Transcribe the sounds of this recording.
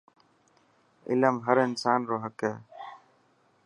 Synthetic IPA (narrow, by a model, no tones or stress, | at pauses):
ɪ̰ləmɦəɾɪnsaːnɾoːɦəkɛː